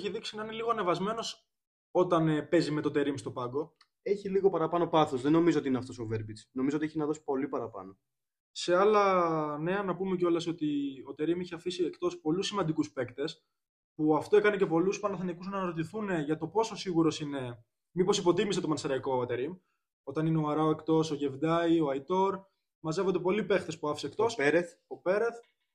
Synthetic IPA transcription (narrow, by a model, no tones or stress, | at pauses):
eçiðiksinɐineliɣo̞ɐnevɐzme̞no̞s | o̞t̪ɐnpe̞zime̞t̪ot̪e̞ɾimst̪o̞pɐɡo̞ | e̞çiliɣo̞pɐɾɐpɐno̞pɐθo̞zðeno̞mizoot̪iineɐft̪o̞so̞veɾbit͡snomizoot̪ieçinɐðosi̥po̞lipɐɾɐpɐ̰no̞ | se̞ɐlɐne̞ɐnɐpume̞co̞lɐso̞t̪io̞t̪e̞ɾimiçeɐfisiekt̪o̞spo̞lusːimɐnd̪ikuspe̞kt̪e̞s | puɐft̪o̞e̞kɐne̞ce̞po̞luspɐnɐθɐnikuznɐnɐɾot̪iθune̞ʝɐt̪o̞po̞so̞siɣuɾo̞sine̞ | mipo̞sipo̞t̪imis̬e̞t̪omɐnsɐɾɐiko̞ɐt̪eɾim | o̞t̪ɐnineoɐɾɐoe̞kt̪o̞so̞ʝevd̪ɐioɐit̪o̞ɾ | mɐze̞vo̞nd̪epo̞lipe̞xt̪espuɐfi̥sekt̪o̞sɾeθopeɾeθ